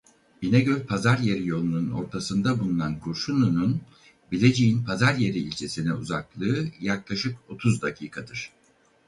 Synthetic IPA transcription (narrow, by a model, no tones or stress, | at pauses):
binɛɟølʲpʰazaɾjeɾijo̞lˠununo̞̰ɾt̪ʰasɯnd̪abulˠunankʰuɾʃununun | bilʲe̞d͡ʒejinpʰazaɾje̞ɾiːlʲt͡ʃʰe̞sinɛuzaklˠɯːjaklˠaʃɯko̞t̪ʰuzd̪acʰiːkʰad̪ɯɾ̥